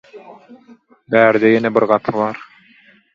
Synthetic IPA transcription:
bæːɾd̪ejenebiɾɢɑpʰɯβɑːɾ

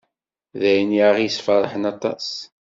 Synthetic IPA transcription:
ðæjənjaʁijəsfɑɾˤəħənɑt̪ˤɑ̰s

